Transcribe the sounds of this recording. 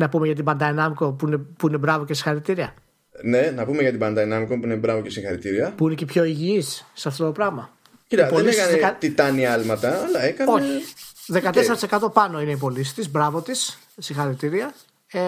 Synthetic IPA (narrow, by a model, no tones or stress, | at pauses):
nɐpumeʝɐt̪̬ibɐnd̪ɐenɐmiko̞puine̞puine̞bɾɐvo̞cesĩ̥xɐɾit̪iɾiɐ | ne̞nɐpumeʝɐt̪ibɐnd̪ɐenɐmikopuinebɾɐvo̞cesĩxɐɾit̪iɾiɐpuinecepço̞iʝiisːeɐft̪o̞t̪o̞pɾɐɣmɐ | cit̪ɐpoeliesekɐneɐt̪it̪ɐniɐlmɐt̪ɐːlɐekɐno̞eçiðe̞kkɐt̪eseɐt̪isekɐt̪o̞pɐno̞ine̞ip̬o̞lisi̥t̪izbɾɐvo̞t̪is | sĩŋxɐɾit̪iɾiɐ | e